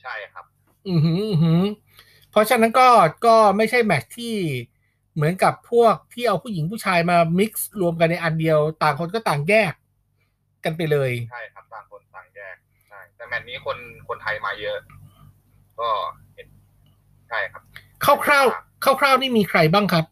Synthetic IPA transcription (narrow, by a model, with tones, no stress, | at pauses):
t͡ɕʰa˥˩jka˦˥p̚ | ʔɯ˨˧hɯ˦˥ʔɯ˧ɦɯ˦˥ | pʰɾɔ˦˥t͡ɕʰa˧na˦˥nkɔː˥˩kɔː˥˩ma˥˩jt͡ɕʰa˥˩jmɛ˦˥t͡ɕ̚t̪ʰiː˥˩ | mɯ˩˦ənka˨˩pʰːu˥˩ək̚t̪ʰiː˥˩ʔa˧wpʰu˥˩ji˩˦ŋpʰu˥˩t͡ɕʰaː˧jmaː˧mi˦˥k̚sɾu˧əmk̬a˧nːa˧jʔa˧ndi˧əwt̪aː˨˩ŋkʰo˧nkɔː˥˩t̪aː˨˩ŋjɛː˥˩k̚ː | a˧np̬a˧jlɤː˧jt͡ɕʰa˥˩jkʰa˦˥p̪̚aː˨˩ŋkʰo˧nt̪aː˨˩ŋjɛː˥˩k̚ | t͡ɕʰa˥˩jt̪ɛː˧˩mɛ˦˥t̚niː˦˥kʰo˧nkʰo˧nt̪ʰa˧jmaː˧jɤ˦˥ʔ | kɔː˥˩ | he˨˩t̚ | t͡ɕʰa˥˩jkʰa˦˥p̚ | kʰaː˥˩wkʰɾaː˥˩wkʰaː˥˩wkʰɾaː˥˩wniː˥˩miː˧kʰɾa˧jbaː˥˩ŋkʰa˦˥p̚